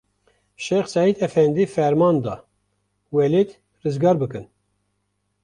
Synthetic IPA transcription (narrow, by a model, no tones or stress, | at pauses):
ʃexsɑid̪ɛfɛnd̪ifɛɾmɑːnd̪ɑ̰ | wɛlet̪ | rɨzɡɑːɾbɨkɨn